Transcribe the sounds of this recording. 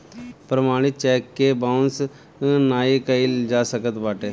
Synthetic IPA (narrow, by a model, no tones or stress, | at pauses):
pɾəmaːɽ̃ɪt̪̚t͡ʃɛːkːebaːʊns | naːikəild͡ʒaːsəkət̪baːʈeː